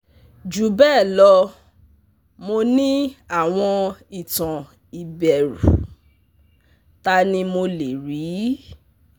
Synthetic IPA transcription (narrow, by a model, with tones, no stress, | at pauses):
d͡ʒu˨˦bɛː˦˨lɔ˧˦ | mo˧nĩ˦a˦˨w̃ɔ̃˧i˨tã˨ | i˨bɛ˨ɾṵ˨ | ta˦nĩ˧mo˧le˨ɾi˨˦